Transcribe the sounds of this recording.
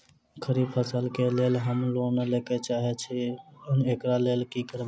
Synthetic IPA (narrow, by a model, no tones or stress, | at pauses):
kʰəɾibpʰəsəlkelelɦəmlomeleket͡ʃaɦɛt͡ʃʰinekɾalelkikəɾb